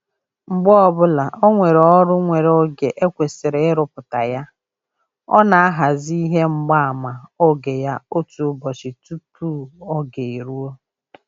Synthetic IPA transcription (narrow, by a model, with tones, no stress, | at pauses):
ŋ͡m̩˨ɡ͡bɔ˦ɔ˦˨bʊ˦la˨ʔo˦ŋʷe˨ɾɔ˦ɾʊ˦ŋʷe˨ɾo˦ɡe˨ʔe˦kʷe˨sɪ˨ɾe˨ɪ˦ɾʊ˨pʊ˨ta˨ja˦ | ɔ̰˦na˨a˦ɦa˨zi˦i˦ɦe˦ŋ͡m̩˨ɡ͡ba˦a˨ma˨o˦ɡe˨ja˦o˦tu˨ʊ˦bɔ˨t͡ʃɪ˨tu˦pu˦ɔ˦ɡe˨i˨ɾu˦o˦